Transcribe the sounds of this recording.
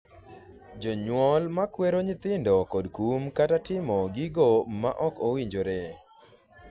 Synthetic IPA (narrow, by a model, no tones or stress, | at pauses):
d͡ʒɔɲwɔlmakweɾoɲɪt̪ɪndɔkɔdkumkatatɪmɔɡiɡoma̰ʔɔkowiɲd͡ʒoɾe